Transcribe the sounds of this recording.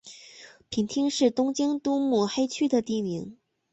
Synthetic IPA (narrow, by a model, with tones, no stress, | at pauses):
pʰi˧˥nt̪ʰi˥ŋʂɻ̩˥˩t̪ʊ˥ŋt͡ɕi˥ŋt̪u˥mu˥˩xe˥ɪt͡ɕʰy˥d̪ə˨t̪i˥˩mi˧˥ŋ